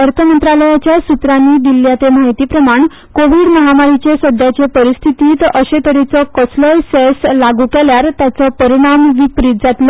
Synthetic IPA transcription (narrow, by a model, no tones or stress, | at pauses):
əɾt̪ʰəmənt̪ɾaləjat͡ɕjasut̪ɾanːiːd̪ilːjat̪emaɦjt̪iːpɾəmaɳ | koʋiɽməɦamaɾit͡ɕesəd̪ʱjat͡ɕepəɾist̪ʰit̪iːt̪ʔəɕet̪əɾit͡sɔkəsləseslaɡuːkɛljaɾt̪jat͡sɔpəɾiɽ̃amʋipɾit̪̚d͡zat̪lɔ